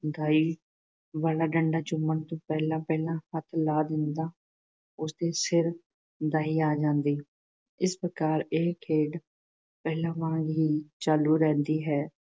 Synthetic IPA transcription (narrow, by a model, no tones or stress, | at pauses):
d̪aːiː | ʋaːlaːɖəɳɖaːd͡ʒʊmənt̪õːpɛːlãːpɛːlãːhət̪ʰlaːd̪ɪnd̪aː | ʊsd̪eːsɪɾ | d̪aːiːaːd͡ʒãːnd̪iː | ɪspɾəkaːɾeːkʰeːɖ | pɛːlãːʋãːɡɦiːt͡ʃaːluːɾɛ̃ːnd̪iːɦɛː